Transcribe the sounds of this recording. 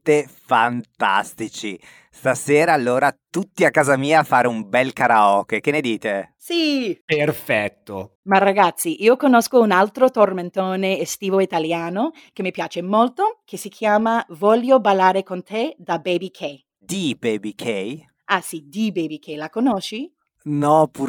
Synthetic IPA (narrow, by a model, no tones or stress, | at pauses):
t̪efant̪a̰st̪it͡ʃi | st̪aseːɾaːlːoːɾat̪ut̪ːiakːaːzamiːaːfaːɾeumbɛlkaɾaɔːkk̟ened̪iːt̪esiperfɛt̪ːo̰maraɡat̪sːiʔiːokonoskounalt̪ɾot̪orment̪oːneːst̪iːvoit̪aljaːno | k̟emːipjaːt͡ʃemolt̪okʰesikʰjaːmavɔʎːobalːaːɾekont̪ed̪abebikʰe | d̪̥ibebikʰɛj | asid̪ibebikʰelakonoʃi | nɔpʰu